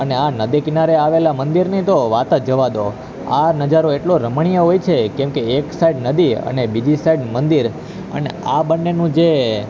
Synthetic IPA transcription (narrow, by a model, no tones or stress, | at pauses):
əneanəd̪ikɪnaɾeaʋelamənd̪iɾnit̪oʋat̪əd͡ʒəʋad̪o | a̰nəd͡ʒaɾoeʈloɾəmɳ̃ijəɦojt͡ʃʰekɛ̃mkeːksaiɖnəd̪iə̰nebid͡ʒisaiɖmənd̪iɾ | ə̰neabənːenũd͡ʒe